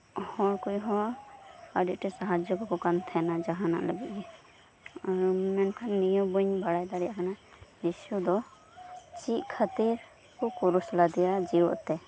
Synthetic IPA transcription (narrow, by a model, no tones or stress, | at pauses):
hɔɾkujɦɔ̃ | aɖiʔ̚ʈɛsaɦad͡ʒɔkɔkɔkant̪ʰɛnad͡ʒaɦana̰ʔləbiʔjɛ | aɾmɛnkʰanːijɔbuɲbʱaɽajd̪aɾɛjakʰanajisud̪ɔ | t͡ʃiʔkʰat̪iɾ | kɔkuɾuslad̪ɛjad͡ʒiɔ̰ʔt̪ɛ